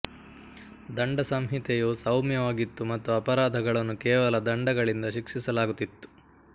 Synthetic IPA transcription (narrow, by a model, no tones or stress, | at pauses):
d̪ɐɳɖɐsɐmɦit̪ɛjusɐwmjɐʋaːɡit̪ːumɐt̪ːuɐpɐɾaːd̪ʱɐɡɐɭɐnːukɛːʋɐlɐd̪ɐɳɖɐɡɐɭind̪ɐʃikʂisɐlaːɡut̪ːit̪ːu̥